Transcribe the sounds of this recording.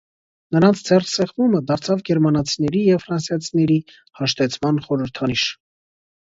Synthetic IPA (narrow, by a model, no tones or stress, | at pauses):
nəɾɑnt͡sʰd͡zɛrsɛχvuməd̪ɑɾt͡sʰɑvɡɛɾmɑnɑt͡sʰinɛɾijɛvfɾɑnsjɑt͡sʰinɛɾi | hɑʃt̪ɛt͡sʰmɑnχɔɾəɾt̪ʰɑniʃ